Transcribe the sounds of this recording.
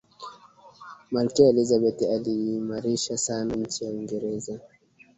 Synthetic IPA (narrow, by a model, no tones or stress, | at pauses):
malkiɛlizabɛtialiːmaɾiʃasanaɲ̩t͡ʃijaiŋɡɛɾɛza